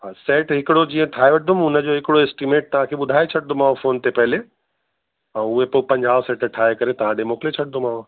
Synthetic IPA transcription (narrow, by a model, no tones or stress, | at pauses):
ɦasɛːʈɦɪkɪɽod͡ʑiːə̃ʈʰaːeʋɐʈ̚d̪ʊmʊnəd͡ʑoɦɪkɪɽoesʈimeːʈ̚t̪ɐʋ̤ãkʰeɓʊd̪ʱaːet͡ɕʰɐʈ̚d̪ʱʊmaːofoːnt̪epɛɦle | ɛ̃ʊɦepoːpɐ̃ɲd͡ʑaːʋsɛːʈəʈʰaːekɐɾet̪ɐʋ̤ãɖemoːklet͡ɕʰɐʈ̚d̪ʊmaːo